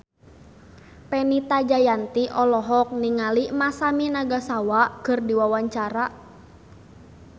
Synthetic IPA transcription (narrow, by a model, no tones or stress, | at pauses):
pɛnit̪ad͡ʒajant̪iʔɔlɔɦɔk̚niŋalimasaminaɡasawakɨrdiwawaɲt͡ʃaɾa